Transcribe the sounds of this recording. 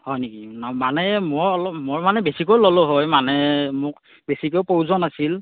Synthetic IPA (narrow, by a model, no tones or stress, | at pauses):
hɔjnekinamanɛmɔɹɔlɔmɔɹmanɛbesikojlɔlɔɦɔjmanɛmʊk̚ | besikowpowzɔnasil